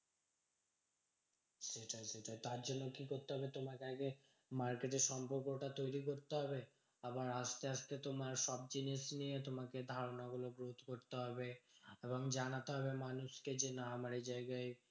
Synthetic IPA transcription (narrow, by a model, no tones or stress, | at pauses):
ʃeʈʰaʃeʈat̪aɾd͡ʑonːokikoɾt̪eɦɔbet̪omakeaɡe | maɾkeʈeɾʃɔmpoɾkoʈat̪ojɾikoɾt̪eɦɔbe | abaɾast̪eaʃt̪et̪omaɾʃɔb̚d͡ʑiniʃnijet̪omaked̪ʱaɾonaɡuloɡɾot̪koɾt̪eɦɔbeeboŋd͡ʑanat̪eɦɔbemanuʃked͡ʑenaamaɾed͡ʑaeɡaej